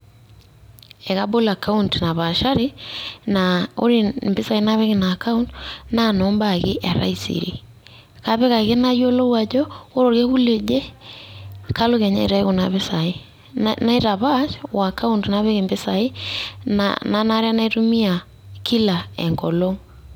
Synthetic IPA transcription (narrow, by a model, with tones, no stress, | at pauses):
e˨ka˦bo˦la˨kʰa˦untna˨βa˨ʃa˦ɾi˦nao̰˦ɾi˨mbɪ˦sa˨i˦na˦βe˦ɣe˨na˨ka˦untna˦nɔ˨˦mba˨ɣɪ˦ʔa˨ɾa̰˦i˦sḭ˨ɾḭ˨ | ka˦βe˦ɣa˨ɣe˦na˦jo˦lo˦wa˨d͡ʒɔ˦o˦ɾo˨ɾke˦ɣu˦le˨d͡ʒe˦ | ka˦lo˦ɣe˨ɲa̰˦i˨ɾa˦e˦ɣo˨na˨βe˦sa˨i˦ | na˦i˦ɾa˨βa˦ʃwa˨ka˦u˦ntna˦βe˦ɣe˨mbe˦sa˨i˦na̰na˦na˦ɾe˦a˦na˦i˦tu˦mi˦a˨ | ki˦la˨ḛŋɡɔ˨lo˦ŋ